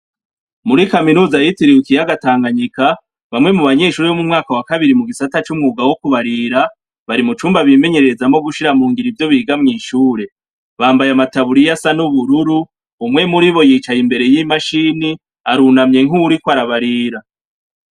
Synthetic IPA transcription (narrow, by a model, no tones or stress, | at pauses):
muɾikaminuːzajitiɾiwukijaɡataːŋɡaɲika | βamŋe̞muβaɲe̞ːʃuːɾeomumŋaːkawakaβiɾimuɡisatat͡ʃumŋuːɡawokuβaɾiɾa | βaɾimut͡ʃuːmbaβime̞ɲe̞ɾeɾezamo̞ɡuʃiɾamuːŋɡiɾivjo̞βiːɡamŋiːʃuːɾe̞ | βaːmbajamataβuɾijasanuβuɾuɾuː | mŋe̞muɾiβo̞jiːt͡ʃajimbe̞ɾe̞jimaʃiːni | aɾunamɲe̞ŋ̥uːɾikwaɾaβaɾiːɾa